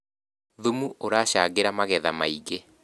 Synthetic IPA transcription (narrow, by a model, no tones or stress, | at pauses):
ðumuoɾaːɕaːɣeɾamaɣɛðamaiɣe